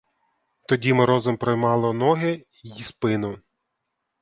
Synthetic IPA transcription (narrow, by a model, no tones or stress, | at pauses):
t̪ɔdʲimeɾɔzɔmpɾɔjmɑlˠɔnɔɦɪ | ispɪnʊ